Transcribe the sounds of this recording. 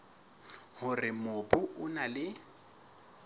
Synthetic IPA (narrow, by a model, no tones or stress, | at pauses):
hʊrɪmʊbʊʔʊnalɪ